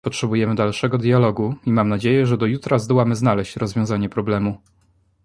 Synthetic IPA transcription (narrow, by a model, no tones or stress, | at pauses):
pɔtʂɛbujɛmɘd̪alʂɛɡɔd̪jalɔɡuimamnad͡ʑejɛʐɛd̪ɔjut̪ɾazd̪ɔwamɘznalɛɕt͡ɕɾɔzvʲjɔ̃w̃zaɲɛpɾɔblɛmu